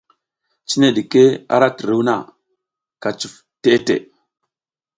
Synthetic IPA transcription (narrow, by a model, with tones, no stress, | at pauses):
t͡ʃi˦ne˦ɗi˨ke˦a̰˦ɾa˦tə˨ɾu˦wna̰˨ | ka˨t͡ʃu˨f | te˦tḛ˨